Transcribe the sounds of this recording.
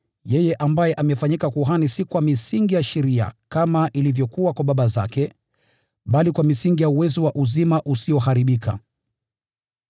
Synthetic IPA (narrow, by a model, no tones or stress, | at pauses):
jɛjɛʔambajɛʔamɛfaɲikakuɦanisikwamisiŋɡijaʃɛɾia̰kamaʔilivjɔkuwakwaɓaɓaza̰kɛ | ɓalikwamisiŋɡijauwɛzɔwaʔuzimaʔusiɔɦaɾiɓikʰa̰